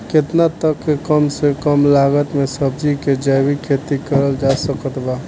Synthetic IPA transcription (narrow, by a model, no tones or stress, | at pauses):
ket̪nat̪əkːekəmsekəmlaɡət̪mesəb̚d͡ʒiked͡ʒəbikʰet̪ikəɾəld͡ʒasəkət̪ba